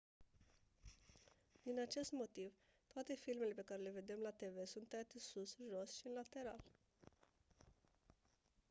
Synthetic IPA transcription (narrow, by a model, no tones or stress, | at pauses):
d̪̥inat͡ʃe̞st̪mo̞t̪iv | t̪oat̪e̞filme̞le̞pe̞kaɾe̞le̞ve̞d̪e̞mlat̪e̞ve̞sunt̪ːeat̪esusʒo̞sʃiɨnlat̪e̞ɾa̰l